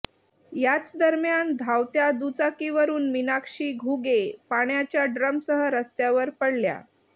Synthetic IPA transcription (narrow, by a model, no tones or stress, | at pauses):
jat͡sd̪əɾmjand̪ʱawt̪jad̪ut͡sakiʋəɾuːnminakʂiːɡʱuɡepaɳjat͡ɕjaɖɾəmsəɦəɾəst̪jaʋəɾpəɽlja̰